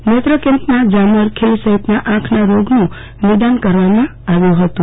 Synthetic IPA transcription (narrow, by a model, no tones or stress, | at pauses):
met̪ɾəkẽmpnãd͡ʒaməɾkʰelsəɦit̪naʔãkʰnaɾoɡnũ | nid̪ankəɾʋamã | aʋjũɦət̪ũ